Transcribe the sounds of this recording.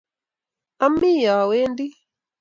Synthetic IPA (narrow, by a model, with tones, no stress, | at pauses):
a˦mːi˦ja˨we˦ndi˦